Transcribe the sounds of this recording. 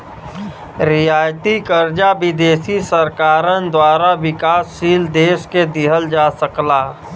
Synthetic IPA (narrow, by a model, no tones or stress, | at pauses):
ɾɪjaːjt̪ikəɾd͡ʒabɪd̪eːsisəɾkaːɾənd̪waːɾaʋɪkaːsːiːld̪eːʃked̪ɪɦəld͡ʒaːsəklaː